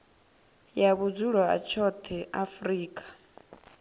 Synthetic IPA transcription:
jaβud͡zuɺɔa̰t͡ʃʰɔt̪ʰɛʔafɾiːkʼḁ

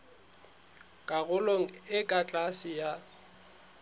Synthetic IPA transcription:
kʼaɣʊloŋ̩ɪkʼat͡ɬʼasɪja

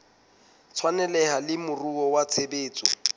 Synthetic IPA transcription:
t͡sʰwanɛlɛhalɪmʊruɔwat͡sʰebeːt͡sʼɔ

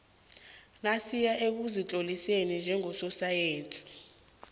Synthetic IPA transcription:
nasijaʔek̬uzit͡ɬʼolisenind͡ʒʱɛŋɔsɔsajeːnt͡sʼi̥

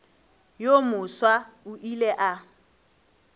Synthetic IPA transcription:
jomʊswaʊʔileʔa

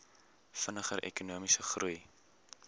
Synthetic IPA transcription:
fənəχəɾʔɛ̰kunuəmisəχrʔuj

